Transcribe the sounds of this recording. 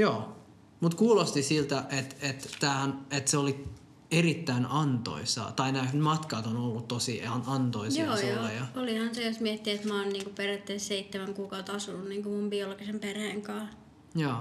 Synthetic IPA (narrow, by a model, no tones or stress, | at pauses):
joː | mut̪kuːlost̪isilt̪æʔet̪et̪t̪æːhænet̪seoli | erit̪ːæinɑnt̪o̰isɑ̰t̪ɑinæhnmɑt̪kɑːt̪onolːut̪t̪osiɑnɑnt̪oijjɑoːsjoːɑjɑolihɑnsejosmiet̪ːiet̪mɑːnniːŋkuperjæt̪ːeːsseit̪ːemæŋkuːkɑut̪ɑsunːunniːŋkumumbioloɡ̥isemperheːŋkɑː | jɑː